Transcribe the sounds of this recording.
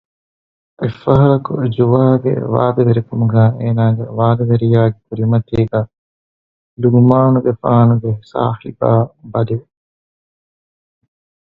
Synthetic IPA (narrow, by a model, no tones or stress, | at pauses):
ʔefɐɦɐɾɐkṵd͡ʒuʋaːɡḛʋa̰ːd̪ɐʋeɾikumuɡæːeːnaːɡḛʋaːd̪ɐʋeɾijaːɡekuɾimɐt̪iːɡæː | luɡumaːnuɡefaːnuɡesa̰ːhḭbaːbɐd̪iʋe